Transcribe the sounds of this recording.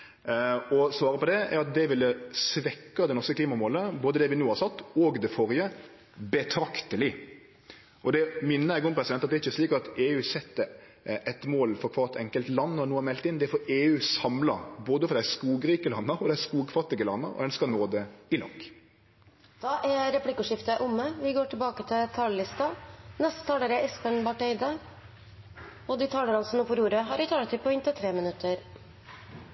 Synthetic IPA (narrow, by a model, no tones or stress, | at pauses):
ɔsʋɑːɾəpɔd̪ɛæɾɑt̪̚d̪ɛʋɪlːəsʋɛkːɑd̪ɛnɔɾskəkliːmɑmoːləboːd̪əd̪ɛʋɪnuːhɑsɑt̪ːɔɡd̪ɛfɔɾjə | bɛt̪ʰɾɑkt̪əlɪ | ʔɔd̪ɛmɪnːəjæɪɡɔmpɾɛsɪd̪ɛnɑt̪d̪ɛɾɪçəsliːkɑt̪eːʉːsɛt̪ːə | ɛt̪moːlfɔɾkʰʋɑːt̪ʰɛŋkəlt̪lɑnːɔnuːəmɛlt̪ːɪnd̪ɛæfɔɾeːʉːsɑmlɑ̰boːd̪əfɔɾd̪æskuːɡɾiːkəlɑnːəɾɔd̪æskuːɡ̚kʰʋɑt̪ɪɡəlɑnːə̰ɾɔ̰d̪ɛnskɑnoːd̪ɛɪlɑ̰ŋɡ | d̪̥ɑːʔɛɾɛpʰlɪkːʉʂɪft̪əʔʊmːəʋɪɡoːʈʰɪlbɑːkət̪ʰɪt̪ʰɑːləlɪst̪ɑnɛst̪ə̥t̪ʰɑːləɾəʔɛspəɳbɑʈœɪd̪ə | ɔd̪iːt̪ʰɑːləɾɑnəsɔmnuːfɔɾuːɾəɦɑɾʋɪt̪ʰɑːlət̪ʰɪlpɔɪnt̪ət̪ʰɾeːmənʉt̪ʰːəɾ